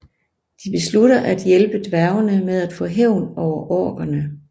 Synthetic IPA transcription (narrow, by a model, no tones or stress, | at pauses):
d̥ib̥e̝sluɾɐʔæd̥jelb̥əd̥ʋæɐʊɐnəmeð̞ˠæd̥fɔ̰̽ːɦeʊ̰nɒʊ̰ɐʔɒːɡ̥ɐnə